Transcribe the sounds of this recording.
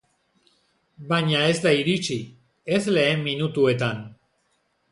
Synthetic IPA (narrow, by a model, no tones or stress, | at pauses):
baɲae̞zd̪aiɾit͡si | e̞zle̞ːmmːinut̪ue̞t̪an